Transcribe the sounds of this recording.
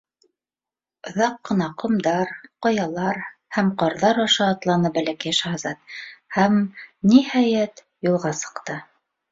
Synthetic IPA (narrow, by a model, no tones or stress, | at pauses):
ŏðɑqːɤ̆nɑqŏmd̪ɑɾqŏjɑlˠɑɾhæmqɑɾðɑɾɑʃɑːt̪lˠɑnɤbælækæjʃɑhɑzɑt̪̚hæmnihæjæt̪ | julˠʁɑsɤ̥̆qt̪ɤ